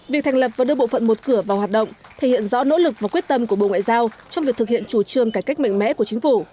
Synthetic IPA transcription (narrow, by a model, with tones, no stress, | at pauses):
vi˨˩ək̪̚ʰa˨˩jŋ̟lə˨˩p̚vaː˨˩ɗɨ˧əɓo̰˧˨fə̰˧˨nmo˨˩t̚kɨ˧˩əvaː˨˩whwaː˨˩t̚ɗə̰˧˨wŋ͡mt̪ʰe˧˩hḭ˧˨ənzɔ̰˧˥no̰˧˥lɨ˨˩k̚vaː˨˩kwi˦˥ət̚t̪ə˧mku˧˩əɓo̰˧˨ŋwa̰ː˧˨jzaː˧wt͡ɕɔ˧wŋ͡mvi˨˩ət̪ʰɨ˨k̚hḭ˧˨ənt͡ɕu˧˩t͡ɕɨ˨˩əŋkaː˧˩jka˦˥jk̚ma̰˧˨jŋ̟mɛ̰˧˥ku˧˩ət͡ɕï˨˦ŋ̟fu˧˩